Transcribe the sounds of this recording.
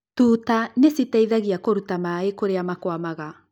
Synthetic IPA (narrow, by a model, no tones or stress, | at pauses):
tuːtanesitaiðaɣiakoɾutamaekoɾeamakwamaɣa